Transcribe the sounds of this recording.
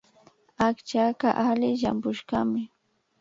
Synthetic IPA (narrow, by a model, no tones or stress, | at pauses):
akt͡ʃakaʔalɪʃa̰mpʊʃkamɪ